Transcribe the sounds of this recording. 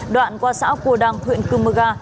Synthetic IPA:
ɗwa̰ː˧˨nkwaː˧sa̰ː˧˥wku˧˩əɗaː˧ŋt̪ʰwḭ˧˨ənkɨ˧mɨ˧ɣaː˧

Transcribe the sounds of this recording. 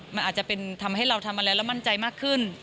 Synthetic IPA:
ma˧nʔaː˨˩t̪t͡ɕa˨˩pe˧nt̪ʰa˧mha˥˩jɾa˧wt̪ʰa˧mʔa˧laː˧˦˥wlɛ˦˥wma˥˩nt͡ɕa˧jmaː˥˩kʰːɯ˥˩n

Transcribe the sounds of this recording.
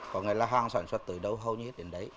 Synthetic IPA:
kɔ˨˩nŋa̰˧˩˦laː˨˩ɦaː˧ŋsaː˧˩nswə˦˥t̚t̪ɨ̰˨˩ɗə˧wɦə˧wɲɨ˧he˦˥t̚ɗe˨˩nɗə˨˦j

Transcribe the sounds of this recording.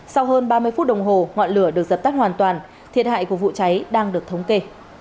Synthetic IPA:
sa˧wɦəː˧nɓaː˧mɨ˧əjfu˦˥t̚ɗə˨˩wŋ͡mɦo˨˩ŋɔ̰˧˨nlɨ˧˩əɗɨ˨˩ək̚zə˨˩p̚t̪a˦˥k̚hwaː˨˩nt̪waː˨˩n | t̪ʰi˨˩ət̚ɦa̰ː˧˨jku˧˩əvṵ˧˨t͡ɕa˨˦jɗaː˧ŋɗɨ˨˩ək̚t̪ʰə˨˦wŋ͡mke˧

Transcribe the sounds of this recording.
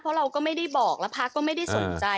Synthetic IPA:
pʰɾɔ˦˥ɾa˧wkɔː˥˩ma˥˩jda˥˩jbɔː˨˩k̚lɛ˦˥wpʰa˦˥kːɔː˥˩ma˥˩jda˥˩jso˨˩˦nt͡ɕa˧

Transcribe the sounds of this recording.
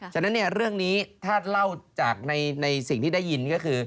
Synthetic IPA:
t͡ɕʰa˥˩nːa˦˥nːi˥˩əɾɯ˥˩əŋniː˦˥t̪ʰaː˥˩la˥˩wt͡ɕaː˨˩k̚na˧jna˧jsi˨˩ŋt̪ʰiː˥˩da˥˩jːi˧nkɔː˥˩kʰɯː˧

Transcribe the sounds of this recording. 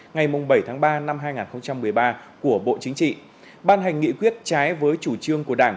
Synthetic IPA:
ŋa˨˩jmʊ˨˩ŋ͡mɓə˧˩jt̪ʰaː˨˦ŋɓaː˧na˧mɦaː˧jŋaː˨˩nxə˧wŋ͡mt͡ɕa˧mːɨ˨˩əjɓaː˧ku˧˩əɓo̰˧˨t͡ɕï˨˦ŋ̟t͡ɕḭ˧˨ | ɓaː˧nɦa˨˩jŋ̟ːḭ˧˨kwi˦˥ət̚t͡ɕaː˨˦jvəː˨˦jt͡ɕu˧˩t͡ɕɨ˧əŋku˧˩əɗaː˧˩ŋ

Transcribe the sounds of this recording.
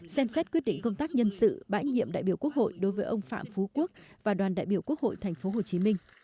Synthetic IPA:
sɛ˧msɛ˦˥t̚kwt̚ɗḭ̈˧˨ŋ̟kə˧wŋ͡mt̪aː˦˥k̚ɲə˧nsɨ̰˧˨ɓa̰ː˧˥ɲḭ˧əmɗa̰ː˧˨jɓi˧˩əwku˦˥ək̚ho̰˧˨jɗo˨˦jvəː˨˦jʔə˧wŋ͡mfa̰ː˧˨mfu˨˦ku˦˥ək̚vaː˨˩ɗwaː˨˩nɗa̰ː˧˨jɓi˧˩əwku˦˥ək̚ho̰˧˨jt̪ʰɛ˨˩ŋ̟fo˨˦ɦo˨˩t͡ɕi˨˦mï˧ŋ̟

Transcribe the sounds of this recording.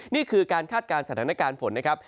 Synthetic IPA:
niː˥˩kʰɯː˧kaː˧nkʰaː˥˩t̪̚kaː˧nsa˧˩aː˩˦na˦˥kaː˧nfo˩˦nːa˦˥kʰɾa˦˥p̚

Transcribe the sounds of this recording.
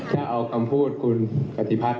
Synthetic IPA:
t͡ɕa˧˩ʔa˧wkʰa˧mpʰuː˥˩t̪̚kʰu˧npa˧˩t̪ʰi˧˩pʰa˦˧˩t̪

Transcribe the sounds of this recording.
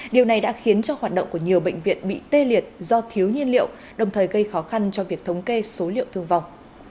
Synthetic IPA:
ɗi˨˩əwna˨˩jɗa̰ː˧˥xi˨˦ənt͡ɕɔ˧haː˨˩t̚ɗə̰˧˨ŋ͡mku˧˩əɲi˨˩əwɓḛ˧˨jŋ̟vḭ˧˨ənɓḭ˧˨t̪e˧li˨˩ət̚zɔ˧t̪ʰi˨˦əwɲi˧ənlḭ˧˨ə˨w | ɗə˨˩wŋ͡mt̪ʰəː˨˩jɣə˧jxɔ˨˦xa˧nt͡ɕɔ˧vi˨˩ək̚t̪ʰə˨˦wŋ͡mke˧so˨˦lḭ˧˨əwt̪ʰɨ˧əŋva˨˩wŋ͡m

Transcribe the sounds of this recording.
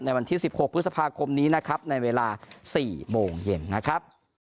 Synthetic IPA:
na˧jwa˧nt̪ʰiː˥˩si˨˩p̚ho˨˩k̚pʰɯ˦t̪̚sa˧pʰaː˧kʰo˧mniː˦˥na˦˥kʰɾa˦˥p̚na˧jweː˧laː˧siː˨˩moː˧ŋje˧nːa˦˥kʰɾa˦˥p̚

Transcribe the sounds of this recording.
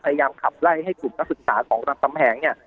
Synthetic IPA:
pʰa˧ja˧jaː˧mkʰa˨˩p̚la˥˩jɦa˥˩jkuː˨˩m̚na˦˥k̚sɯ˨˩k̚saː˩˦kʰɔː˩˦ŋɾa˧ŋt̪a˧mpʰɛː˩˦ŋni˥˩ɐ

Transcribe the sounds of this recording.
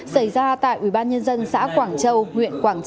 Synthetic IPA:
sa˧˩jzaː˧t̪a̰ː˧˨jʔwi˧˩ɓaː˧nɲə˧nzə˧nsa̰ː˧˥kwaː˧˩ŋt͡ɕə˧wŋwḭ˧˨ənkwaː˧˩ŋt͡ɕ

